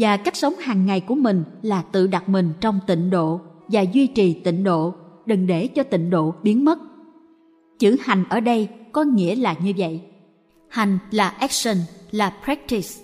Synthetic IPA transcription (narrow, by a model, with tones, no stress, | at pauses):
vaː˨˩ka˦˥jk̟̚sə˨˦wŋ͡mhaː˨˩ŋːa˨˩jku˧˩əmï˨˩ŋ̟laː˨˩t̪ɨ̰˧˨ɗa˨˩t̚mï˨˩ŋ̟t͡ɕɔ˧wŋ͡mt̪ḭ˧˨ŋ̟ɗo̰˧˨vaː˨˩zwi˧t͡ɕi˨˩t̪ḭ˧˨ŋ̟ɗo̰˧˨ɗə˨˩ŋɗe˧˩t͡ɕɔ˧t̪ḭ˧˨ŋ̟ɗo̰˧˨ɓi˨˦ənmə˦˥t̚ | t͡ɕɨ˧˩ha˨˩jŋ̟ʔəː˧˩ɗə˧jkɔ˨˦ŋḭ˧˥əlaː˨˩ɲɨ˧və̰˧˨j | ha˨˩jŋ̟laː˨˩ʔɛ˦˥k̚sə˧nlaː˨˩pɾɛ˦˥k̚t̪i˨˦˩s